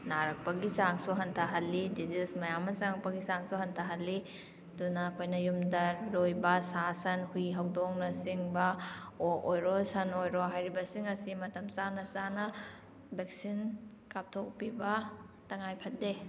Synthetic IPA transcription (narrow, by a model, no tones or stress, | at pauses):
naɾɐk̚pɐɡisaŋsuɦɐntʰɐɦɐlːidizismɐjamɐsaŋɐk̚pɐɡisaŋsuɦɐntʰaɦɐlːi | dunɐːkʰojnɐjumdɐlojbɐsasɐnhujɦɐwdoŋnɐsiŋbɐoʔojɾosɐnojɾoɦajɾibɐsiŋɐsimɐtɐmsanɐsanɐ | bek̚sin | kap̚tʰok̚pibɐ | tɐŋajpʰɐt̚de